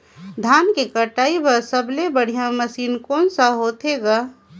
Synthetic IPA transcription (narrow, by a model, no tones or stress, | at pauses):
d̪ʱaːnkekəʈaːibəɾsəblebəɽ̤ijãməsiːnkoːnsəɦot̪ʰeɡa